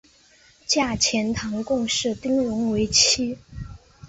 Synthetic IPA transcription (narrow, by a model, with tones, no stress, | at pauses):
t͡ɕja˥˩t͡ɕʰjɛ˧˥nt̪ʰɑ˧˥ŋkʊ˥˧ŋʂɻ̩˥˩t̪i˥ŋɻʊ˧˥ŋwe˧˥ɪt͡ɕʰi˥